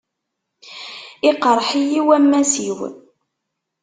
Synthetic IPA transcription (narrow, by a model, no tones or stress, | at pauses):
ɪqəɾˤħijiwæmːæsiw